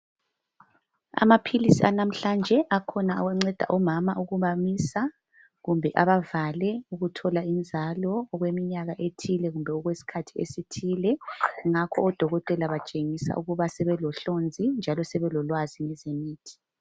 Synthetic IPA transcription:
a̰mapʰilisianam̩ɬand͡ʒʱɛʔakʰɔnaaɣwɛŋ͡ǀɛd̥ʱa̰ʔɔmamauɣuβamisa | ɣumbʱɛʔaβavalɛuɣutʰɔlaind͡zʱalɔːɣwemiɲaɣaʔetʰilɛɣumbʱɛɔɣwesi̥kʰatʰiḛsitʰiːlɛŋakʰɔːd̥ʱɔɣɔtʼɛlaβat͡ʃʼeŋisa̰uɣuβasɛβɛlɔɬond͡zʱind͡ʒʱalɔsɛβɛlɔlwaziŋɛzemiːtʰi̥

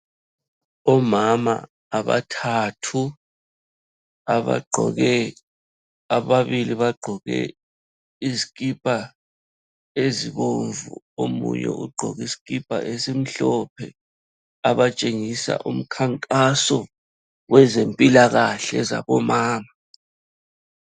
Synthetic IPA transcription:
ɔmama̰ː | βa̰tʰatʰu | aβa̰ɡ͡ǃʱɔ̰ɣɛ | aβaβiliβaɡ͡ǃʱɔɣɛ̰ | izikʼipʼa | eziɣoɱvṵ | omṵjɛ̰ʔṵɡ͡ǃʱɔɣisi̥kipʼa̰ʔesim̩ɬɔp̚ʰɛ | aβat͡ʃʼeŋisa̰ʔum̩kʰaŋkʼasɔ | wɛzempʼilaɣaɬɛza̰βɔmaːma

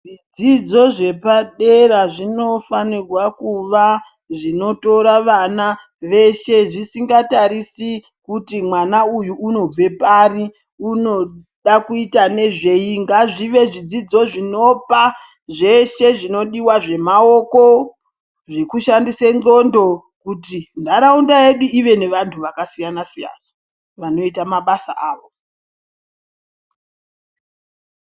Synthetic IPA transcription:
ʐid͡zid͡zo̞ʐe̞paɗeɾaʐino̞fanirwakuʋa | ʐino̞to̞ɾaʋana | ʋe̞ʃe̞ʐisiŋɡataɾisi | kutimwanaujuːno̞b͡ve̞pari | uno̞ | ɗakuitane̞ʐe̞jiŋɡaʐiʋe̞ʐid͡zid͡zo̞ʐino̞pa | ʐe̞ʃe̞ʐino̞ɗiwaʐe̞mao̞ko | ʐekuʃandisenɡo̞ndo̞ | kutindaɾaundaje̞ɗuiʋe̞ne̞ʋantʰuʋakasijanasija̰na | ʋano̞itamaɓasa̰ʔaːʋo̞

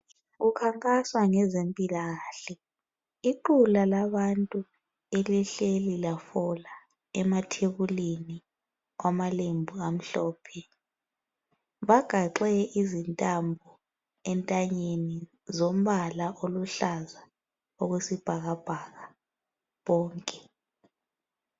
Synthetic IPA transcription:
ɣukʰaŋkʼaswaŋɛzempʼilaɣaːɬɛ | iǃulalaβantʼu | eliɬelilafɔla | ɛmatʰeɣuleni | wamalembʱuam̩ɬɔːpʰɛ | βaɡ̥ʱaǃɛɛʔizintʼambʱɔ | ɛntʼaɲeni | zom̩βalaʔoluɬaza | oɣwesib̥ʱaɣab̥ʱaɣa | βɔːŋkʼɛ̥

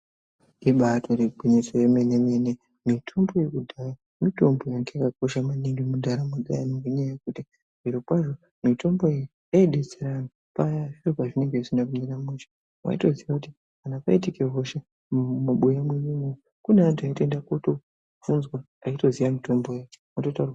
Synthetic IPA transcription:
iɓatʰo̞ɾeɡʱwinesojemenemene | mitʰo̞mbo̞jekudʱaja | mito̞mbojaŋɡeakako̞ʃamaniŋɡimundaɾamud͡za̰janoŋɡeɲaajekuti | ʐ̥iɾo̞pwaʐo̞ | mito̞mbo̞eji | aiɗe̞t͡seɾano | pajaʐiropaʐine̞ŋɡe̞isinakuɲeɾameʃḁ | mwa̰ito̞ziʋakuti | kanapaitike̞ɦo̞ʃa | muɓujamweɲimo | kuneantuaite̞ndakoto | vunzwa | aito̞zijamito̞mbojaomototar

